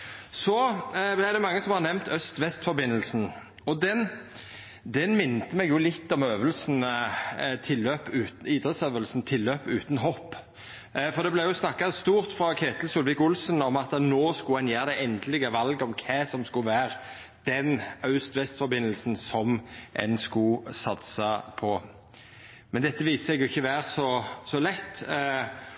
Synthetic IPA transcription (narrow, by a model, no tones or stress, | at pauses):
sɔblæɪd̪ɛmɑŋːəsɔmhɑʁnɛʋmt̪ʰœst̪ʋɛst̪fɔɾbɪnːəlsn̩ | ɔd̪ɛn | d̪ɛnmɪnːt̪əmɛɡjʊlɪt̪ːɔmøːʋəlsn | t̪ʰɪlːøːpʉːt̪iːd̪ʁəsøːʋəlsnt̪ʰɪlːøːpʉːt̪nɦɔpː | fɔʁd̪ɛblæjʊsnɑkːɑst̪uːɾt̪fɾɑkʰeːt̪lsʊlʋɪkʊlsnɔmɑt̪ənoːskʊɛnjeːʁd̪ɛɛnd̪əlɪɡəʋɑlɡɔmkʰɛːsɔmskʊʋæːʁ | d̪̥ɛnɑʉst̪ʋɛst̪fɔɾbɪnːəlsn̩sɔmʔɛ̰nskʊsɑt̪sɑpʰɔ | mɛnd̪ɛt̪ːəʋiːsəsɛɡʊɪçːəʋæːʁsɔsɔlɛt̪ː